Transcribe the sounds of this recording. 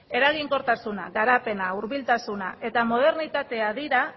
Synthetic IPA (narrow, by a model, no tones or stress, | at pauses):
e̞ɾaɣiŋko̞ɾt̪asuna̰ɣaɾape̞nauɾβilt̪asuna̰e̞t̪amo̞ð̞e̞ɾnit̪at̪e̞aðiɾa